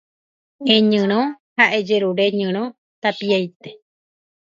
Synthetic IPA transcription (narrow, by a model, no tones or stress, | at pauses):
ẽɲɨ̃ɾ̃õ | haʔe̞d͡ʒeɾuɾe̞ɲɨ̃ɾ̃õ | t̪apiajt̪e